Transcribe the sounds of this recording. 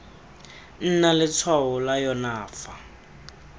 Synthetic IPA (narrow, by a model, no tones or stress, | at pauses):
n̩nalɪt͡sʰwawʊlajɔnaːfa